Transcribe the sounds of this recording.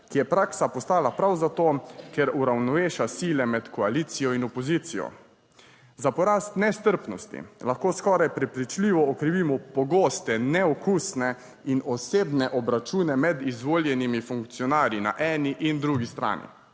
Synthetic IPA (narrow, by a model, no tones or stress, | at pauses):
kijɛpɾaːksapɔst̪aːlapɾawzat̪oːkɛɾuɾawnɔʋeːʃasiːlɛmɛt̪kɔaliːt̪sijɔinɔpɔziːt̪sijɔ̰ | zapɔɾaːst̪nɛst̪əɾpnɔst̪ḭlaxkoːskɔɾajpɾɛpɾit͡ʃliːʋɔɔkɾiʋiːmɔpɔɡoːst̪ɛnɛɔkusnɛ | inɔseːbnɛʔɔbɾat͡ʃuːnɛmɛd̪izʋoːljɛnimifuŋkt̪sijɔnaːɾjina̰ʔɛːniʔind̪ɾuɡist̪ɾa̰ːnḭ